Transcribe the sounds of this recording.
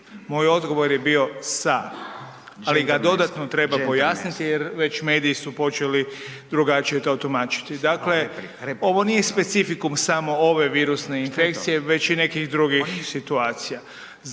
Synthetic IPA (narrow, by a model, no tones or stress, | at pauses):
mo̞ːjo̞d̪ɡo̞ʋo̞ɾje̞bio̞sa | aliɡad̪o̞d̪at̪not̪ɾe̞bapo̞jasnit̪ijeɾʋe̞t͡ɕme̞ːd̪iːsupo̞t͡ʃe̞lid̪ɾuɡat͡ʃije̞t̪oot̪umaːt͡ʃi̥t̪id̪akle̞ | o̞ʋo̞nije̞spe̞t̪sifikumsamo̞o̞ʋe̞ʋiːɾusne̞infe̞kt̪sije̞ʋe̞t͡ɕine̞kixd̪ɾuɡixsit̪uaːt̪sija